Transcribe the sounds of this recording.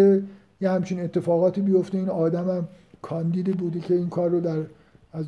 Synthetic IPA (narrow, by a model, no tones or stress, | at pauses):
e | jehæmt͡ʃʰine̞t̪ʰːe̞fɒːɣɒːt̪iːbijo̞ft̪e̞iːnɒːd̪æmæm | kʰɒːnd̪iːd̪ibuːd̪ecʰe̞iːnkʰɒːrːod̪æɾ | æz